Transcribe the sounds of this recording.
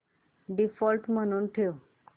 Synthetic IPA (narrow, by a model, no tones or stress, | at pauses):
ɖifɔlʈm̤əñuːnʈʰeʋ